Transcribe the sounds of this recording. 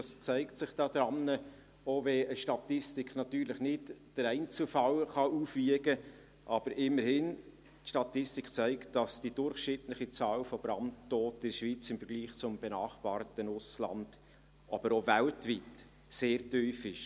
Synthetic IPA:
dɑst͡sæɪktsɪχd̥ɑːd̪̥ɾɑnːə | ovɛəʃtɑt̪ɪstɪkχnɑt̪yːɾlɪχnɪtd̥əɾɛɪnt͡slfɑlχɑʔuːfʋiəɡə | ʔɑb̥əɾʔɪmːəɾhɪn | tʃtɑtɪstikt͡sæɪktd̥ɑsd̥id̥ʊɾχʃnɪtlɪχit͡sɑːlfɔb̥ɾɑnttoːtɪʃʋit͡sɪmfəɾɡ̥liːχt͡sʊmb̥ɛnɑːχb̥ɑːɾtənʊslɑ̰nd̥ | ʔɑ̰b̥əɾovæltʋit | seːɾtyːfɪʃ

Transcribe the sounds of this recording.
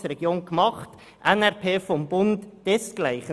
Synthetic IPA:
ɾɛɡ̥joːnkmɑχt | ʔɛnɛʁpʰeːfɔmbʊntd̥ɛsɡ̥laɪχə

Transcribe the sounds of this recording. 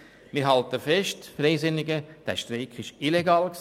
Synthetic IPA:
mɪːɾɦɑltəfɛʃtfɾɛɪsɪnɪɡəd̥æ̰ʃtɾeɪkʰɪʃileɡɑːlks

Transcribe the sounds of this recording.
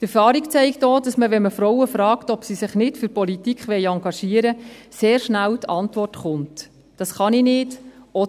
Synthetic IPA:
tɛɾfɑːɾikt͡sɛɪktdoːdɑsməʋɛnməfɾɔwəfɾɑːktɔpsisɪχnɪtfyɾpɔlitikχʋɛɪɑŋɡɑʃiːəɾəseːɾʃnæltʰɑntʋɔrtχʊnt | d̥ɑsχɑninɪːdɔ

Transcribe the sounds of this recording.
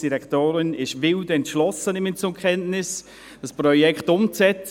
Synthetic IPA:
d̥iɾɛktoːɾɪnɪʃvɪldɛntʃlɔsənɪmɪnt͡sʊmkχɛntnɪs | d̥ɑsprɔjɛkχtʊmt͡sɛt͡s

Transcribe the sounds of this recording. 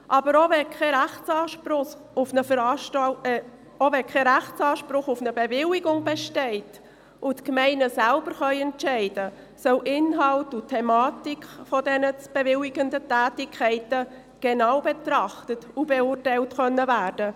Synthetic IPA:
ʔɑbəɾoʋɛkʰχɛɾæχt͡sɑːʃpɾʊχ | ʊfnəfəɾ | ovɛkχɛɾæχt͡sɑːʃpɾʊχʊfnəbevɪlɪɡʊŋb̥ɛʃtɛɪt | ʔʊtkmɛɪnəsælb̥əɾχœʏɛnɛɪdə | sœwʔɪnɦɑltʊtʰɛmɑːtikχfɔdɛnət͡sb̥evɪliɡəndətæːtɪkʰχɛɪtə | ɡ̥enɑwbetrɑχtətubeʊrtæɪltχœnːəvæːɾd̥ə

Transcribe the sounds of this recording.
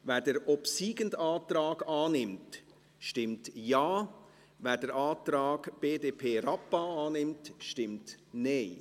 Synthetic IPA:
ʋæːdəɾɔpsiːɡəndaːtɾɑːɡ̥ɑːnɪmt | ʃtɪmtjaː | vɛːdəɾʔaːt̪ɾaɑːɡ̥b̥eːdeːpʰeːɾɑpːaɑːnɪmtʃtɪmtneɪ

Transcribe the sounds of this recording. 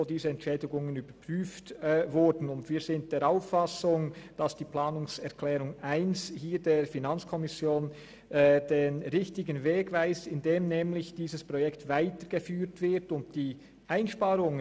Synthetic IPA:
odiːzəɛntʃɛːdɪɡʊŋənyːb̥əpʁ̥yːftːvʊɹdn̩ʊndviːz̥ɪnt̚d̥eːɾaʊfːasʊŋd̥asd̥iːplaːnʊŋsɛʁkʰlɛːʁʊŋʔaɪnshiːɾdeːfinant͡skʰɔmɪsjoːnː | d̥eːnʁɪçtɪɡən̩veːɡvaɪstɪndeːmnɛːmlɪçd̥iːzəspʁ̥ɔjɛktvaɪtəɡ̥efyːɾtv̥ɪʁtʊnt̚d̥iː | ʔaɪnʃpaːɾʊŋ

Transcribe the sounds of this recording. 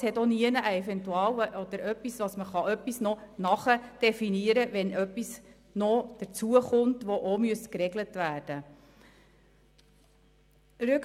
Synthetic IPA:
shɛtoniənəʔəɛvɛntuɑːwəʔɔd̥̪əɾœpːisʋɑsməχɑʔœpːisnɔnɑχəd̥ɛfiniəɾəʋɛnʔœpːis | nɔd̥əɾt͡suəχʊmtʋɔʔomyəstkɾɛɡlətvæːɾd̥ə | ɾʉk

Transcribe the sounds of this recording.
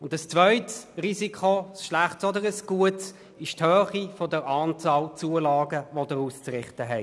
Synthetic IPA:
ʊndəst͡svœʏtsʁizikʰosʃlaχtsɔdəʁəsɡ̥uəts | ɪʃthøːχifɔdəʁɑːnt͡sɑːlt͡suəlɑːɡəvodəʁuːst͡sʁɪχtəɦɛɪ

